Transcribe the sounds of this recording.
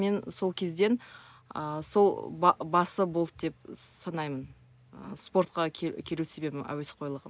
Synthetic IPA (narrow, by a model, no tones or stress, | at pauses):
me̞nso̞lˠkʲʰe̞zd̪e̞n | əso̞lˠbɑbɑsəbo̞lˠt̪̚d̪e̞p̚sɑnɑjmən | ə̰spo̞rt̪̚qɑkʲʰe̞luse̞be̞bɪmæ̰we̞sqʰo̞jlˠəʁəm